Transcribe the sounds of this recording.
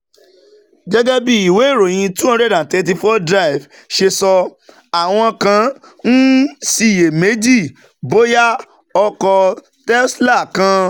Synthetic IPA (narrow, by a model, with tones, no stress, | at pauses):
d͡ʒɛ˦ɡɛ˦bi˦i˨we˨˦˨ɾo˨j̃ĩ˧tũ˦ɔ̃˧ɾɛ˦˨dã˨tɛ˧t̬i˧fɔ˦dɾa˦i˨v | ʃe˧sɔ˧ | a˨w̃ɔ̃˧kã˧˦ | n̩˦si˦˨je˨me˨˦d͡ʒi˦˨ | bo˦ja˦ | ɔ˧kɔ˧ | tɛ˦sla˦˨kã˧